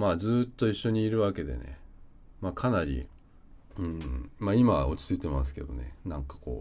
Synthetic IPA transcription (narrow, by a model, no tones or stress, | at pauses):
maːd͡zɨːt̪ːo̞iɕːo̞ɲ̟iːɾɯ̟βake̞d̪e̞̰nḛ | maːkʰanaɾʲḭ | ɯ̟̃ɴmaːimao̞̰t͡ɕi̥t͡sɨit̪e̞masɨ̥ke̞d̪o̞̰ne̞̰nãŋkḁko̞̰ː